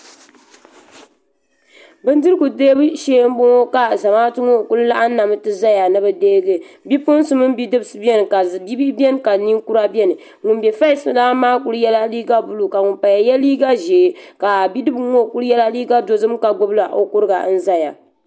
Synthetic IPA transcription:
bɨ˦ndɨ˦ɾɨ˦ɡu˨deː˦bʃeː˦m˦bo˦ŋo˦ka˨za˨maː˦tɨ˦ŋo˦˨ku˦lɨ˦la˦ʔa˦na˨mɨ˨˦tɨ˦za˦ja˨nɨ˦bɨ˨deː˦ɡɨ˨bi˦pʊ˦n˦sɨ˦mɨ˦nbi˦dɨ˦bɨ˨sɨ˨bɛ˦n˨ka˨bi˦bi˦bɛ˦n˦ka˨ni˦ŋku˦ɾa˦bʲɛ˦nɨ˨ | ŋʊ˨nbɛ˨fa˦i˦sɨ˨laː˦maː˦ku˦ɾɨ˦jɛ˦la˦liː˦ɡa˦bu˨lu˨ka˨ŋʊ˨mpa˨ja˨jɛ˦liː˦ɡa˦ʒeː˨ka˨bi˦dɨ˦bŋo˦˨ku˦ɾɨ˦jɛ˦la˦liː˦ɡa˦do˦zɨ˦mka˨ɡʊ˦bla˨ʔo˨kʊ˦ɾɨ˦ɡa̰˨˦n̩˦za˦ja˨

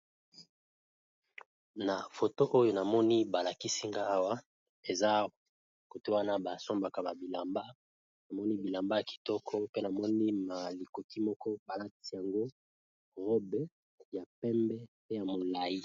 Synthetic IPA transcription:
na˨fo˨to˦ʔo˦jo˦na˨mɔ˦ni˦ba˨la˨ki˦si˦ŋɡa˦a˦wa˦ | e˨za˦˨ | ko˨ti˦wa˦na˦ba˨so˦mba˨ka˨ba˨bi˨la˨mba˦ | na˨mɔ˦ni˦bi˨la˨mba˦ja˨ki̥˨tɔ˦kʰɔ˦pe˦na˨mɔ˦ni˦ma˨li˨ko˨ti˦mɔ˦kɔ˦ba˨la˦ti̥˨si˦ja˨ŋɡo˦ | ʁɔ˦bɛ˦ | ja˨pɛ˦mbɛ˦pe˦ja˨mo˨la˨ji˦

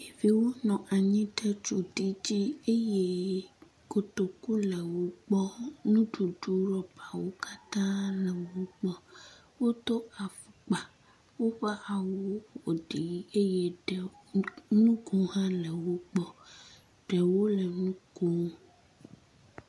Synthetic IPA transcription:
mi˨vi˦wo˦nɔ̃˨ʔa˨ɲĩ˦ɖe˦t͡ʃu˨ti˦d͡ʑi˦e˦je˦ | ko˨t̪o˨ku˦lɛ˨wo˦k͡pɔ˦nũ˦ɖu˨ɖu˦ɾɔ˦ba˨wo˦ka˦t̪ã˦lɛ˨wo˦k͡pɔ˦ | wo˦t̪o˦a˨fu˨k͡pa˨ | wo˦ɸa˦ʔa˨wo˦o˨ɖi˨ji˦e˦je˦ɖɛ˨ | nũ˦ɡu˨ɦã˦lɛ˨wo˦k͡pɔ˦ | ɖɛ˨wo˦lɛ˨nũ˦ko˦

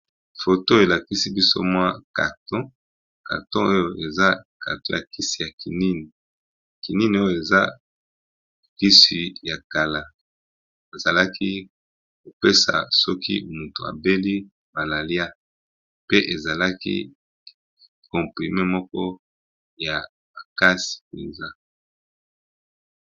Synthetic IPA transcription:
fo˨to˦e˨la˨ki˦si˦bi˦so̰˦mwa˦ka̰˨tɔ̃˦ | ka̰˨ʁtɔ̃˦o˦jo˨ʔe˨za˦ka̰˨tɔ̰̃˦ja˨ki˦si˨ja˨ki˨ni˦ni˨ | ki˨ni˦ni˨o˦jo˨e˨za˦ | ki˦si˨ja˨ka˨la˨ | e˨za˨la˦ki˦ | ko˨pe˦sa̰˨sɔ˦kḭ˦mu˨to˨a̰˨be˦li˦ | ba˨la˨lja˦ | pe˦ʔe˨za˨la˦kḭ˦ | kɔ̃˨pʁi˨me˦mɔ˦kɔ˦ | ja˨ | ba˨ka˦si̥˨e˨za˦

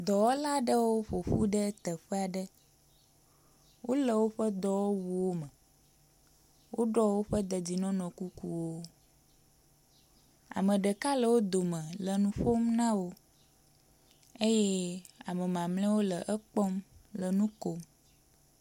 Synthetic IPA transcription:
d̪ɔ˨wɔ˦la˦ɖə˦wo˦ɸo˨ɸṵ˦ɖə˦t̪ə˨ɸɛ˦a˨ɖə˦ | wo˦lə˨wo˦ɸə˦d̪ɔ˨wɔ˦wu˨wo˦mə̃˨ | wo˦ɖɔ˦wo˦ɸə˦d̪ə˨d͡ʑi˨nɔ̃˦nɔ̃˨ku˦ku˦wo˦ | a̰˨mə̃˨ɖə˨ka˦lə˨wo˦d̪o˨mə̃˨lə˨nũ˦ɸo˦mnã˦wo˦ | e˦je˦a˨mə˨mã˨mlɛ̃˦wo˦lə˨ʔə˦k͡pɔ˦mlə˨nũ˦ko˦m

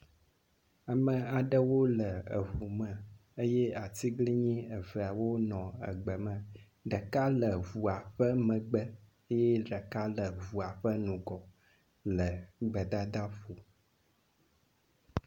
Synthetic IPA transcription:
a˨mə̃˨a˨ɖə˦wo˦lə˨ə̰˨vu˨mə̃˨ə˦jɛ˦a˨t̪i˦ɡli˦ɲĩ˦ə˨vɛ˨a˨wo˦nɔ̃˨ə̰˨ɡ͡bə˨mə̃˨ | ɖə˨ka˦lə˨vu˨a˨ɸə˦mə̃˨ɡ͡bə˦ | ə˦jɛ˦ɖə˨ka˦lə˨vu˨a˨ɸə˦nũ˨ɡɔ˨ | lə˨ɡ͡bə˨d̪a˦d̪a˦ɸu˨

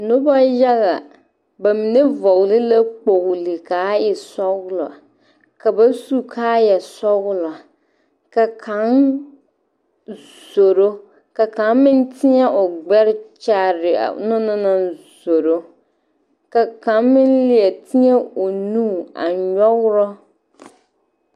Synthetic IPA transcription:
nʊ˦ba˦jɛ˦ɣa˨ | ba˨mi˨ne˦vɔ˨ɣlɪ˦la˦k͡po˨ɣlɪ˨kaː˨˦jɪ˨sɔ˦ɣʊ˦lɔ̰˨a˨ | ka˨ba˦su˦kʰaː˦jɛ˨sɔ˦ɣʊ˦lɔ˨a˨ | ka˨kʰa˨˦ŋ | z̥o˨ɾo˦ | ka˨ka˨˦mmɪ̃˦n˦tʰɪ˦ɛ˦ʔʊ˨ɡ͡bɛ˦ɾɪ˦t͡ʃa˦ɾɪ˨a̰˨˦nɔ˦nɔ˦nã˦nzo˨ɾo˦ | ka˨ka˨˦nmɪ̃˦nlɪ˦ɛ˨tʰɪ˦ɲɛ˦o˨nũː˦˨a̰˨ɲɔ˦ɣɾɔ˦

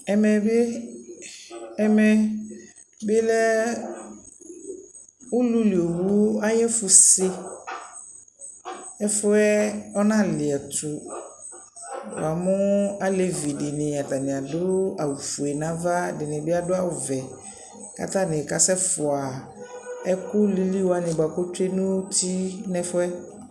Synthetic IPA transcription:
ɛ˨mɛ˨be˦ | ɛ˦mɛ˦ | bɪ˦lɛ˦ | ʊ˦lu˦li˨o˨wu˦a˦jɛ˦fʊ˨sɪ˦ | ɛ˦fʊ˦ɛ˦ɔ˦nã˦lɪ˨ɛ˨tʊ˨ | w̰a˨mʊ̃˦a˦le˨vi˨dɪ˨nɪ̃˨a˨ta˨nɪ̃˨a˨dʊ˦a˨wu˨fu˨ɛ˨nã˦va˦dɪ˨nɪ̃˨bɪ˦a˦dʊ˦a˦wʊ˨vɛ˨ | ka̰˨ta˦nɪ̃˨ka˨sɛ˦fʊ˨a˨ | ɛ˦kʊ˦li˦li˦wa˨nɪ̃˨ba˨ko˦te˦nʊ̃˦ti˦nɛ̃˦fʊ˦ɛ˦

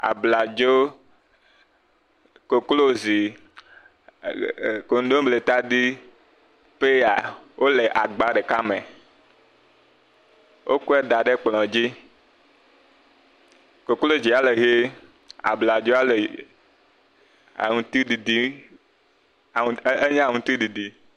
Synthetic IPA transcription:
a̰˨bla˨d͡ʒo˦ | ko˨klo˦zi˨ | ko˨n˦d̪õ˦ble˨t̪a˦d̪i˦ | ɸe˦a˨wʔo˦le˨ʔa˨ɡ͡ba˦ɖe˨ka˦me˨ | wʔo˦ku˦e˦d̪a˨ɖe˦k͡pl̃ɔ̃˨d͡ʑi˦ | ko˨klo˦d͡ʑi˨a˨le˨ɦe˦ | a̰˨bla˨d͡ʒo˦a˦le˨ | ŋũ˨t̪i˦di˨d̪i˦˨ | e˦ɲã˦˨ŋũ˨t̪i˦di˨di˨

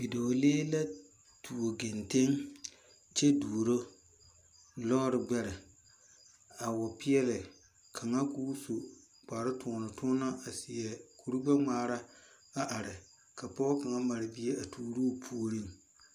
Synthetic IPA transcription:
bi˨do˨leː˦la˦ | tʰu˨o˨ɡe˨nte˦ŋ | t͡ʃɛ˦du˨ɾo˦ | lɔ˦ɾɪ˨ɡ͡bɛ˦ɾɪ˨ | a˨wɔ˨pɪ˦ɛ˦lɪ˨ | kʰa˨ŋa˦ku˦so˨ | k͡paː˨ɾɪ˦tʊ˨nʊ˨tʰʊ˦na˦ʔa˨sɪ˨ɛ˨kʰu˨ɾu˦ɡ͡ba˦ŋ͡maː˨ɾa˦ | a˨ʔa˨ɾɪ˨ | ka˨pɔ˦ka˨ŋa˦ma˨ɾɪ˨bi˦e˦a˨tʰuː˨ɾoː˦˨pʰu˦o˦ɾi˦˨ŋ

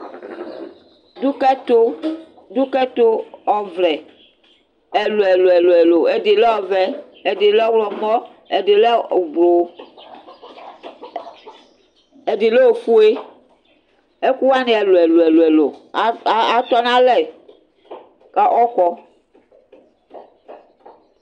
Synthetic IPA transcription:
du˦kɛ˦to˦ | du˦kɛ˦t̪o˦ɔ˨vlɛ˨ | e˨lo˨e˨lo˨e˨lo˨e˨lo˨e˨de˨le˦ɔ˨vɛ˨ | e˨de˨le˦ɔ˦wlɔ˨mɔ˦ | e˨de˨le˦˨blo˨ | e˨di˨le˦wo˨fu˦e˦ | e˦ku˦wa˦ne˦e˨lo˨e˨lo˨e˨lo˨e˨lo˨˦ | a˦t̪ɔ˦nã˦lɛ˨ | ka˦ʔɔ˦kɔ˦

